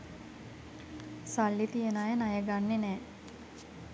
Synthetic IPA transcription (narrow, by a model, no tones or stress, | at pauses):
salːit̪ijənajənajəɡanːenɛː